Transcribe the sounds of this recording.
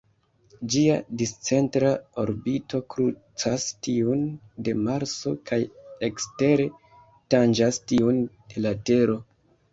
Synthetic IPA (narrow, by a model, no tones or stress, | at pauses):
d͡ʒiadist͡se̞ntɾao̞ɾbito̞kɾut͡sastiun | de̞maɾt͡so̞kʰajekste̞ɾe̞ | tand͡ʒastiund̥e̞late̞ɾo̞